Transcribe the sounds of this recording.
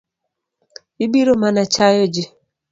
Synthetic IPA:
ibiɾomanat͡ʃajɔd͡ʒɪ

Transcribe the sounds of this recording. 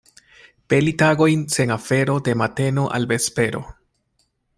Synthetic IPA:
pe̞litaɡo̞jnse̞ŋafe̞ɾo̞de̞mate̞no̞ʔa̰lbe̞spe̞ɾo̞̰

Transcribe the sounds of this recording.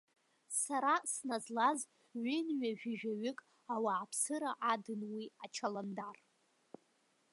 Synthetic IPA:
saɾasnazlaz | ɥɪnɥaʒᶣɪʒᶣaɥɪkʼ | awaːpʰsɨɾaʔadɨnwiat͡ʃʰalandar

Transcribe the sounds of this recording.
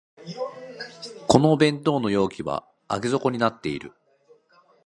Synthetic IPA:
ko̞no̞ːbẽ̞nt̪o̞ːno̞jo̞ːkʲiβa̰ | aɡʲezo̞ko̞ɲ̟inat̪ːe̞iɾɯ̟̰

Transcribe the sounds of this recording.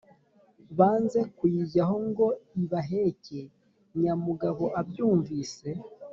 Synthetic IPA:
βaːnze̞kujiɟaɦo̞ŋɡo̞iβaɦece̞ | ɲamuɡaβo̞ʔabjuːɱviːse̞

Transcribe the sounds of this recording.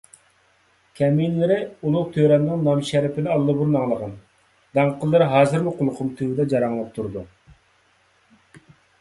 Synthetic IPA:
kʲʰɛminlɪɾɪulˠʊqt̪ʰøɾɛnnɪŋnɑmʃɛɾɪpɪnɪɑlˠːɨbuɾnɑŋlˠəʁɑn | d̪ɑŋqʰəlˠːɨɾɦɑːzɨɾmɪqʰʊlˠqʰʊmt̪ʰywɪd̪ɛd͡ʒɑɾɑŋlˠɑp̚t̪ʰuɾd̪u

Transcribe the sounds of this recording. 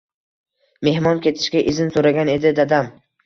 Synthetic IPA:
me̞hmɒnkʲʰe̞t̪ʰɪ̥ʃkʲaʔɪzɪnsoɾaɡʲane̞d̪ɪd̪ad̪am

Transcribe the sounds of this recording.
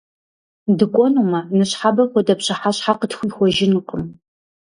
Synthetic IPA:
dɨkʷʼɔnumɐnɨɕħabɐxʷɔdɐpɕʼɪħaɕħaqətxʷiːxʷɔʒɪnɨqəm

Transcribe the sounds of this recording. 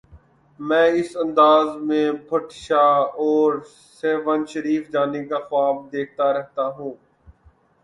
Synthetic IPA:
mɛ̃ːɪsə̃nd̪aːzmẽbʰʱəʈʃaːɔːɾ | seːʋənʃəɾiːfd͡ʒaːnikaxʊaːb̚d̪eːk̚ʰt̪aɾɛɦt̪aɦũː

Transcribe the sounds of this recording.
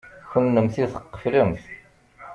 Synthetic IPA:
çənːəmθiθə̥qːə̥fləmθ

